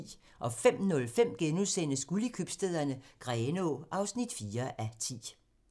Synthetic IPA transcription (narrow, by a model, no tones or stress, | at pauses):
ʔɒ̽fem̰nɔ̽lfem̰ɡ̥enusenəsɡ̥uləkʰyb̥sd̥eð̞̰ˠɐnəɡ̥ʁɛːno̝ʔɑ̈ʊsnid̥fiːɐʔæt͡sʰḭː